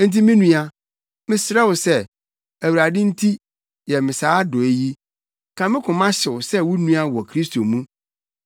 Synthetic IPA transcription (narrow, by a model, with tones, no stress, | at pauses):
n̩˦t̬i˦mɪ̃˦nũ˦a˦ | mɪ̃˦sɾɛ˦wʊ˨sɛ˦ | æ˨wu˨ɾa˨dɪ̃˦n̩˦tʰi˦ | jɛ˨mɪ̃˨saː˦dʊ˨e˨ji˦ | kʰã˨mɪ̃˦kʰʊ̃˨mã˦ɕɪ˨wʊ˨sɛ˦wʊ˦nũ˦a˦wɔ˨kʰɾi˦st̪ʰo˨mũ˦